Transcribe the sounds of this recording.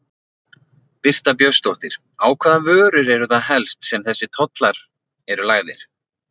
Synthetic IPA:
pɪr̥t̪apjœst̪owht̪ɪɾ̥ | aːwkʰvaːðavœːɾʏɾɛɾʏθaðɦɛlst̪sɛmθɛsːɪt̪ʰɔt̪laɾ̥ | ɛɾʏlaːɣðɪɾ̥

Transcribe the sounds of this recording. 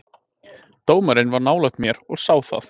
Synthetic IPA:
t̪oːwmaɾɪnvaɾnaːwlaxt̪mjɛɾɔɣsaːwθa̰θ

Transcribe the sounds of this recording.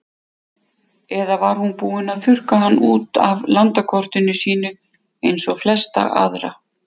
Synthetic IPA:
ɛðavaɾ̥hunpuːɪnaðθʏr̥kaɦanːuːt̪a̰vlant̪akʰɔr̥t̪ʏnʏsiːnʏ | ejnsɔɣflɛst̪a̰ʔa̰ðɾa̰

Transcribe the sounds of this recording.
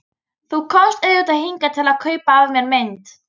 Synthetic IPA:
θukʰɔst̪ɛðjɔt̪aðhiŋkat̪ʰɪlaðkʰœːɥpaːvɪmjɛɾmɪnt̪

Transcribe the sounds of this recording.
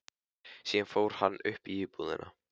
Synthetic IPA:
siːanfoːwɾ̥hanːʏhpiɪpuðɪ̰na̰

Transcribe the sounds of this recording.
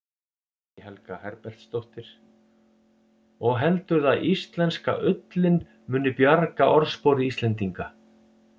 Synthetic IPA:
hɛlkahɛɾpɛl̥t̪st̪owht̪ɪɾ̥ | ɔɣɦɛlt̪ʏɾðaðʔist̪lɛnska̰ʔʏt̪lɪn | mʏːnːʏpjaɾkaʔɔɾspoːwɾɪist̪lɛnt̪iŋka

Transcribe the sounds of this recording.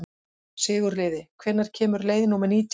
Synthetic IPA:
sɪːɣʏɾlɪːðɪkʰvɛnaɾ̥cʰɛːmʏɾleːjðɪnumɛniːt̪

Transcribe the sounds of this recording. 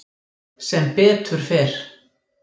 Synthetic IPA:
sɛmpɛːt̪ʰʏɾ̥fɛːɾ̥

